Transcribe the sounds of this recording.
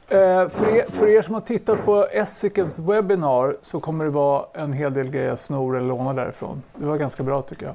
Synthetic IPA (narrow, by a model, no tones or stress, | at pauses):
fœɾeːfœɾeːʂɔmhaʈʰɪt̪ːat̪̚pʰɔɛsɪkənswɛbɪnɑːɾsɔkʰɔmːəɖɛvɑːɛnɦeːld̪eːlɡɾɛjːəɾsnuːɾɛləɭoːnad̪æ̰ɾɪ̰fɾo̰ːnd̪ɛvaɾɡanskabɾɑːt̪ʰʏkːəja̰